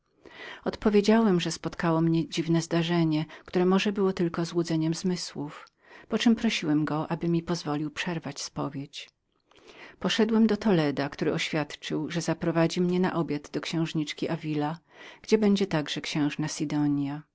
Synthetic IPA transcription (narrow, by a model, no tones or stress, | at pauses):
ɔt̪pɔvʲjed͡ʑawɛmʐɛspɔt̪kawɔmɲɛd͡ʑivnɛzd̪aʐɛɲɛkt̪uɾɛmɔʐɛbɘwɔt̪ɘlkɔzwud̪zɛɲɛmzmɘswuf | pɔt͡ʂɛmpɾɔɕiwɛmɡɔʔabɘmʲipɔzvɔlʲiwpʂɛɾvat͡ɕspɔvʲjet͡ɕ | pɔʂɛd̪wɛmd̪ɔt̪ɔlɛd̪akt̪uɾɘɔɕfʲjat̪t͡ʂɘwʐɛzapɾɔvad͡ʑimɲɛna̰ʔɔbʲjad̪d̪ɔkɕɛ̃w̃ʐɲit͡ʂkʲiʔavʲila | ɡ̥d͡ʑɛbɛɲd͡ʑɛt̪aɡʐɛkɕɛ̃w̃ʐnasʲid̪ɔɲja